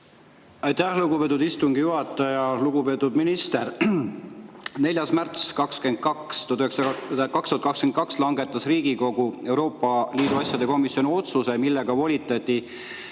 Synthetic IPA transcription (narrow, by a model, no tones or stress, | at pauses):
ɑjt̪æhluɡupe̞ːt̪ːˑud̪ist̪uŋɡijuɦɑt̪ːˑɑjɑluɡ̥upeːt̪ːˑud̪minist̪eɾ | ne̞lʲjɑsmært̪skɑkske̞nd̪̥̚kɑkst̪uɑt̪yheskɑkst̪uɑt̪kɑkskenkɑkslɑŋɡe̞t̪ːˑɑsriːɡ̥iko̞ɡue̞wɾo̞ːpːˑɑliːd̪uɑsʲjɑd̪e̞ko̞misjo̞nio̞t̪suse̞milːe̞ɡ̥ɑvo̞lʲit̪ːˑɑt̪ʲːi